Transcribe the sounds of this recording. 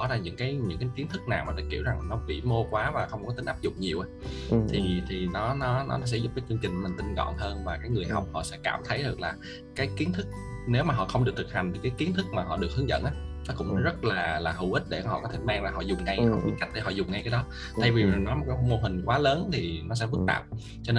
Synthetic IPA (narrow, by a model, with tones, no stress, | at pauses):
ɔ˨˦zaː˧ɲɨ̰˧˥ŋkaː˨˦jɲɨ̰˧˥ŋkaː˨˦jki˨˦ənt̪ʰɨ˦˥k̚naː˨˩wmaː˨˩t̪ɨ˨˧˩kːi˧˩əwza˨˩ŋ˨˩nɔ˨˦vḭ˧˩mo˧kwaː˨˦vaː˨˩xə˧wŋ͡mkɔ˨˦t̪i˨˦ŋʔaː˦˥p̚zʊ̰˧˨ŋ͡mɲi˨˩əʔa˨˦t̪ʰi˨˩t̪ʰi˨˩nɔ˨˦nɔ˨˦nɔ˨˦˨s̬ɛ̰˧˥zʊ˦˥p̚kaː˨˦jt͡ɕɨ˧əŋt͡ɕï˨˩kːmï̟˨˩t̪ï˧˩ŋ̟kɔ̰˧˨nɦəː˧nvaː˨˩kaː˨˦jŋɨ˨˩əjɦa˨˩wk͡p̚hɔ̰˧˨sɛ̰˧˥ka̰ː˧˩˨mt̪ʰə˨˦jɗɨ˨˩ək̚laː˨˩ | kaː˨˦jki˨˦ənt̪ʰɨ˦˥k̚ | ne˨˦wmaː˨˩ɦɔ̰˧˨xə˧wŋ͡mɗɨ˨˩ət̪ʰk̚ha˨˩ŋ̟t̪ʰi˨˩kaː˨˦jki˨˦ənt̪ʰɨ˦˥k̚maː˨˩ɦɔ̰˧˨ɗɨ˨˩ək̚hɨ˨˦əŋzə̰˧˨nʔaː˨˦nɔ˨˦kʊ̰˧˥ŋ͡mɔ˨˦zə˦˥t̚laː˨˩laː˨˩ɦɨ˧˩wʔï˦˥t̚ɗe˧˩hɔ̰˧˨kɔ˨˦t̪ʰe˧˩maː˧ŋlaː˨˩ɦɔ̰˧˨zʊ˨˩ŋ͡mŋa˧jhɔ̰˧˨ɓḭ˨˧˦ŋka˦˥k̚ɗe˧˩ɦɔ̰˧˨zʊ˨˩ŋ͡mŋa˧jkaː˨˦jɗɔ˨˦ | t̪ʰa˧jvi˨˩za˨˩nɔ˨˦jmo˨˩kːaː˨˦˧mo˧ɦï˨˩ŋ̟kwaː˨˦ləː˨˦nt̪ʰi˨˩nɔ˨˦s̬ɛ̰˧˥vɨ˦˥t̚t̪a̰ː˨˩p̚ | t͡ɕɔ˧ne˧